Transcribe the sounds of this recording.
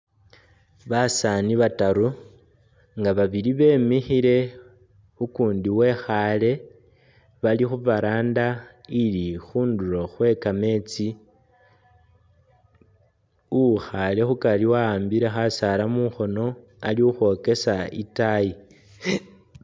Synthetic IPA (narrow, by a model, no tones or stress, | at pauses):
βasaniβataɾu | ŋɡaβaβiliβe̞ːmixiɾe̞ | ukuːndiwe̞xale̞ | βalixuvaɾaːndailixuːnduɾo̞xwe̞kame̞ːt͡si | uxale̞xukaliwaaːmbiɾe̞xasalamuxo̞no̞ | aliuxo̞ke̞saḭtaji